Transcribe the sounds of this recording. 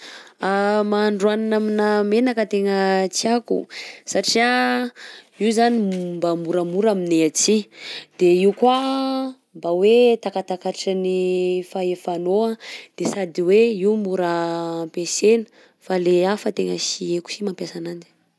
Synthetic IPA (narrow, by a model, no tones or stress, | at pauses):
amaːɳɖ͡ʐuananaminəmenakət̪eŋət͡siakṵsaʈ͡ʂia | izanimbamuɾəmuɾamineat͡sid̪̥eiukwa | mbawet̪akat̪akaaʈ͡ʂanifaefanoad̪̥esad̪iweiumuɾəmpesenə̥ | faleafət̪eŋəsieku̥simampjasanani̥